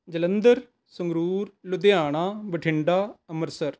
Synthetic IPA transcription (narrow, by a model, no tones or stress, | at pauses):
d͡ʒələnd̪əɾ | sʊŋɡɾuːɾlʊd̪ɪjaːɳ̃aːbəʈʰɪɳɖaːəməɾsəɾ